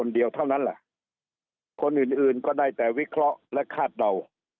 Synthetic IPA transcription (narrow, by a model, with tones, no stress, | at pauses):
o˧ndi˧əwt̪ʰa˥˩wna˦˥nlɛ˧˩ʔ | kʰo˧nʔɯː˨˩nʔɯː˨˩nkɔː˥˩daː˥˩jt̪ɛː˨˩wi˦˥kʰɾɔ˦˥ʔlɛ˦˥kʰaː˥˩t̪̚da˧w